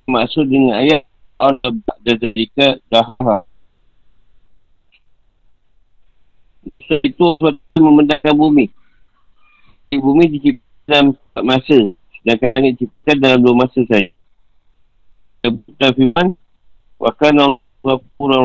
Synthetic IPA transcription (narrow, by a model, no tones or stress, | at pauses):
maʔsʊt̪̚dəŋanajat̪̚ | ʔanabaʔdad̪adikadaɦaɦa | nasait̪usat̪̚aməməndakanbumi | ibumidit͡ʃip̚ | dalam | aʔmasə | dankanəʔt͡ʃip̚əkat̪̚dalamluamasəsaja | abut̪afiman | wʔa̰kana | lakuɾa